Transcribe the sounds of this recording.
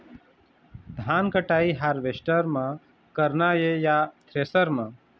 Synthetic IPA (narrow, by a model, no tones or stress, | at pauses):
d̪ʱaːnkəʈaːiɦaɾʋeʃʈəɾmã | kəɾnajejat̪ɾeːsəɾmã